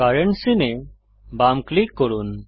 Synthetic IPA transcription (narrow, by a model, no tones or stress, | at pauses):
aɾeɳʈsine | bamklikːɔɾun